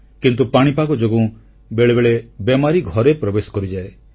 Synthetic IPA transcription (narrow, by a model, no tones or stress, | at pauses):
kint̪upaɽ̃ipakɔd͡ʒoɡũ | beɭebeɭebemaɾiɡʱɔɾepɾɔbesɔ̥kɔɾid͡ʒae